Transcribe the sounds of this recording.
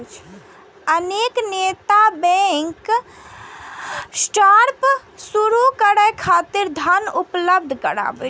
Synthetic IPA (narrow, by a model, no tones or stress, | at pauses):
əneːkneːt̪abɛ̃ŋk | sʈaɾpsuɾukəɽəkʰaːt̪ɪɾd̪ʱənʊpləb̚d̪ʱkəɽa̰ːbe